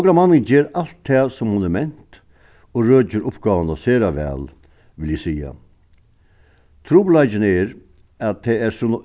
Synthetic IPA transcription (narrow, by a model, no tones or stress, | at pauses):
ɡɾamanːəŋd͡ʒeːɾal̥t̪ʰːɛːsɔmhʊnɛmɛn̥t̪ | ɔɾøːt͡ɕəɾʊpɡɑːʋənaseːɾaʋɛ̰ːl | ʋɪljɪsiːa̰ | t̪ʰɾuːpʊlaɪt͡ɕɪnɛɾ | att̪ʰːɛæɾsʊn